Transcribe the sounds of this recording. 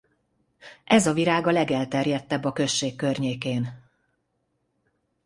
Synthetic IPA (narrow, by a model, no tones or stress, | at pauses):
ʔɛzɒviɾaːɡɒlɛɡɛlt̪ɛrjɛt̪ːɛbːɒkø̞ʃːeːkːø̞rɲeːkeːn